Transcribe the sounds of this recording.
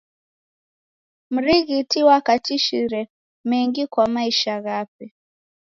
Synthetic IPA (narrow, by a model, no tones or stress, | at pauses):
m̩ɾiɣitiwakatiʃiɾɛ | mɛŋɡikwamaiʃaɣapɛ